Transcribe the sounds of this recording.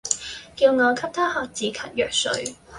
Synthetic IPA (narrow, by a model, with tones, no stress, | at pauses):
kiː˧wŋɔː˨˧kʰɐ˥p̚t̪ʰa˥hɔː˨˩k̚t͡siː˨˧kʰɐ˨˥t̚jœː˨k̚sɵ̰˨˥ɥ